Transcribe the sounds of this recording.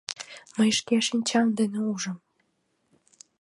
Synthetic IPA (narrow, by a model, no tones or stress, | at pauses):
məjʃkeʃinʲt͡ɕɑmd̪eneuʒəm